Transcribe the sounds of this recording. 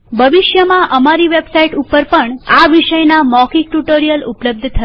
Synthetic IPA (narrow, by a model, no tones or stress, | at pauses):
bʱəʋɪʃjəmãʔəmaɾiʋebsaiʈupːəɾpəɳaʋiʃəjnamɔkikʈuʈoɾijəlʊpləb̚d̪ʱt̪ʰə